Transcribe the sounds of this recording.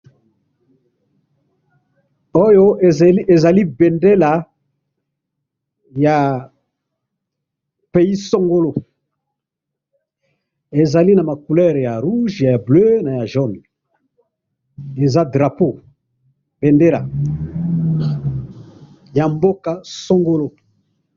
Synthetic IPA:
o˦jo˦e˨za˨li˦be˨nde˦la˨ | ja˨ | pe˨ji˦so˦ŋɡo˦lo˦˨ | e˨za˨li˦na˨ma˨ku˨lɛ˦˨ʁja˨ʁu˦ʒja˨ja˨blø˦na˨ja˨ʒɔ˦˨n˨ | e˨za˦dʁa˨po˦˨ | b̥e˨nde˦la˨ | ja˨mbo˦ka˨so˦ŋɡo˦lo˦

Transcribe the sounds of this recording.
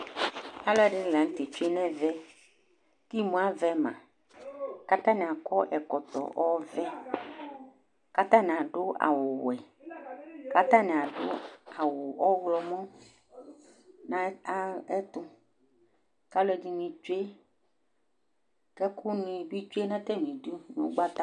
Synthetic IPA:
a˦lɔ˦ɛ˨ɖɪ˦˨la˨ŋ̩˦t̪ɪ˨t͡ʃu˦e˦nɛ̃˦vɛ˦ | ki˦mũ˨˦a˦vɛ˦mã̰˨ | ka˦t̪ã˦nɪ̃˨a˨kɔ˦ʔɛ˨kɔ˨t̪ɔ̰˨ʔɔ˦vɛ˦ | ka˦t̪ã˦nɪ̃˨a˨ɖʊ˦a̰˨wʊ˨wɛ˨ | ka˦t̪a˦nĩ˨a˨ɖʊ̰˦a˨wʊ˨ɔ˦wlɔ˨mɔ̃˦ | nã˦ɛ˦t̪ʊ˦ | ka˦lɛ˨di˨nĩ˨t͡ʃu˦e˦ | kɛ˦kʊ˦nĩ˨bi˦t͡ʃu˦e˦nɛ̃˦t̪ɛ˦nĩ˨du˦nʊ̰̃˦ɡ͡ba˦t̪a˦

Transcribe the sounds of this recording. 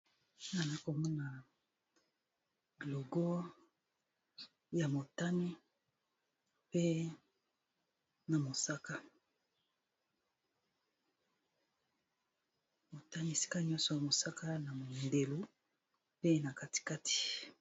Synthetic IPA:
na˨na˦ko˨mɔ˦na˨ | lo˨ɡɔ˦ | ja˨mo˨ta˦ni˦ | pe˦ | na˨mo˨sa˦ka˦ | mo˨ta˦ni˦e˨si̥˦ka˦ɲɔ̃˦sɔ˨ja˨mo˨sa˦ka˦na˨mo˨nde˨lo˦ | pe˦na˨ka˦ti̥˨ka˦ti̥˨

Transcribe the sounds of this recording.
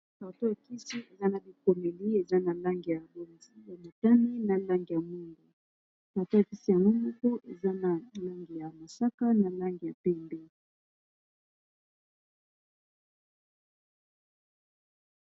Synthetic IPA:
ta˨to˦ja˨ki˦si˦e˨za˦na˨bi˨ko˨mɛ˨li˦e˨za˦na˨la˦ŋɡi˨ja˨bo˦˨˦a˨ma˨ta˦ni˦na˨la˦ŋɡi˨ja˨mu˦ŋdo˨ | ta˨to˦ja˨ki˦si˨ja˨ŋo˦mo˦ko˦ʔe˨za˦na˨la˦ŋɡi˨ja˨ma˨sa˦ka˦na˨la˦ŋɡi˨ja˨pɛ˦mbɛ˦

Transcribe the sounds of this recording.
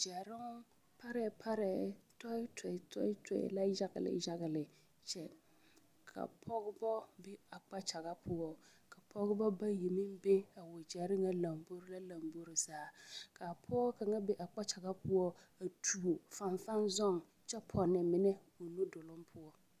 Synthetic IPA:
d͡ʒɛ˨ɾɪ˦ŋ˦ | pa˦ɾɛ˨˦pʰa˦ɾɛ˨tɔ˦tʰɛ˨tʰɔ̰˦ɪ˦tʰɛ̰˨la˦ʒa˦ɡɪ̰˨lɪ̰˨ʒa˦ɣɪ˨lɪ˨ | t͡ʃɛ˦ | kʰa̰˨pʰɔ˦ɡbɔ˦bɛ˦a˨k͡pa˦t͡ʃa˨ɣa˦pʰʊ˦ɔ˦ka˨pʰɔ˦ɡɪ˦bɔ˦ba˦ji˨mɪ˦mbe˦a˨wʊ˨d͡ʒɛ˨ɾɪ˦ŋa˦la˨mbo˦ɾɪ˦la˦la˨mbo˦ɾɪ˨zaː˨˦˨kʰa˨pʰɔ˦ka˨ŋa˦bɛ˦ʔa˨k͡pa˦t͡ʃa˨ɡa˦pʊ˦ɔ˦a˨tʰu˨o˨fa˨ɱfa˦nzɔ˦ŋ | t͡ʃɛ˦pʰɔ˨nɪ˨mɪ˦nɛ˦ | o˨nu˦dʊ˨lʊ˦mpʰʊ˦ɔ˦

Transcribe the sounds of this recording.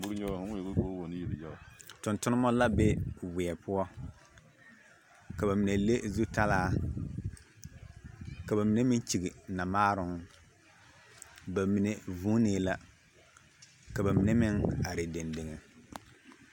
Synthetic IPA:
bu˦ɾɲɔ˦˨hwɡu˦ko˦wo˨ni˦ji˨ljɛ˦a˨tʊ˨ntʊ˦nɨ˦mɔ˦la˦bɛ˦wɪ˨ɛ˨pʊ˦ɔ˦ | ka˨ba˨mi˨ne˨le˦zu˦ta˦laː˦ | ka˨ba˨mi˨˦ne˦mɪ˦n˦t͡ʃi˨ɡi˨na˨maː˦ɾʊ˨ŋ | ba˨mi˨ne˨vuː˦neː˨˦la˨ | ka˨ba˨mi˨ne˦mɪ˦ŋa˨ɾe˨de˨nde˨ŋɛ˨

